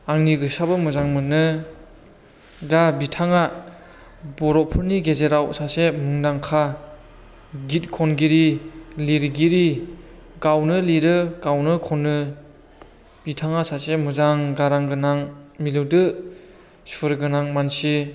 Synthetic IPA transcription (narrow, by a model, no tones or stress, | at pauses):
aŋniɡɯsabɯmuzaŋmɯnːɯ | dabitʰaŋa | bɔɾɔpʰɯɾniɡezeɾawsasemɯŋdaŋkʰa | ɡit̚kʰɔnɡiɾiliɾɡiɾi | ɡawnɯliɾɯɡawnɯkʰɔnːɯ | bitʰaŋasasemuzaŋɡaɾaŋɡɯnaŋmilɯwdɯ | suɾɡɯnaŋmansi